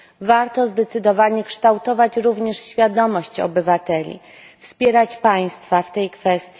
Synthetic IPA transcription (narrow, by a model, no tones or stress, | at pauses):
vaɾt̪ɔzd̪ɛt̪sɘd̪ɔvaɲɛkʂt̪awt̪ɔvat͡ɕɾuvɲɛʂɕfʲjad̪ɔmɔɕt͡ɕɔ̰bɘvat̪ɛlʲḭ | fspʲjɛɾat͡ɕpaj̃st̪faft̪ɛjkfɛst̪ʲji